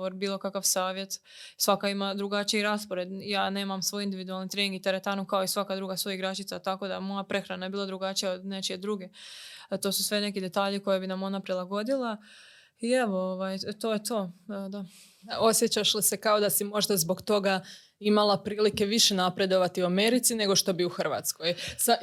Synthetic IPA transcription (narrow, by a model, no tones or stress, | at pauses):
oɾbiːlˠo̞kakaʋsaːʋje̞t̪ | sʋakaimad̪ɾuɡat͡ʃiiɾaspoɾed̪jaːne̞ːmamsʋo̞jind̪iʋid̪ualˠnit̪ɾeniŋɡit̪eɾet̪aːnukaoisʋakad̪ɾuːɡasʋo̞jiɡɾat͡ʃit̪sat̪ako̞d̪aemo̞japɾe̞xɾanajebiːlad̪ɾuɡat͡ʃijaod̪ne̞t͡ʃied̪ɾuɡe̞t̪o̞ːsusʋe̞ne̞kid̪e̞t̪aːʎeko̞jebinamo̞napɾilˠaɡo̞d̪ilˠa | ieʋooʋajt̪o̞ːjet̪o̞ːd̪a | o̞sjet͡ɕaʃlise̞kao̞d̪asimo̞ʒd̪azbo̞ɡt̪o̞ɡa | imalˠapɾiːlike̞ʋiʃe̞napɾe̞d̪o̞ʋat̪iuame̞ɾit̪sine̞ɡo̞ʃt̪o̞biuxrʋa̰ːt̪sko̞jsa